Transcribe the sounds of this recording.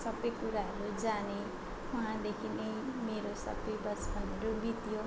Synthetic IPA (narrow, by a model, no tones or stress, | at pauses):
sʌbʌjkuɾaɦʌɾud͡zane | uɦãd̪ekʰinejmeɾosʌ̰bʌjbʌt͡sbʱʌneɾubit̪jo